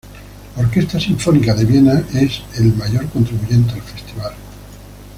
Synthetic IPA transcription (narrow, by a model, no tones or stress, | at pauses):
laoɾke̞st̪asiɱfo̞nikaðe̞βje̞naʔe̞se̞lmaʝo̞ɾko̞nt̪ɾiβuʝe̞nt̪̬eelfe̞st̪iβal